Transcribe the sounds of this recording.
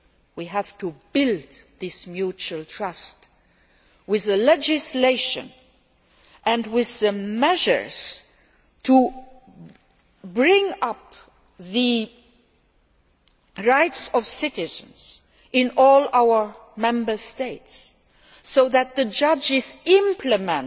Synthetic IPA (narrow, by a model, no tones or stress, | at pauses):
wiɦæv̥tʰubɪlˠdðɪsmjut͡ʃuəlˠtʰɹ̥ʌst | wɪðɨlɛd͡ʒɪsleɪʃɨ̰̃n | ʔɨ̃nwɪðɨmɛʒə̰˞z̥ | tʰu | bɹɪ̃ŋʌp | ðɨ | ɹaɪtsʌv̥sɪɾɪzə̃nz̥ | ɪ̃nɔlˠaʊə˞mɛ̃mbə˞steɪtsː | oʊðɨt̪̚ðɨd͡ʒʌd͡ʒɪzɪ̃mpʰlɨmə̃n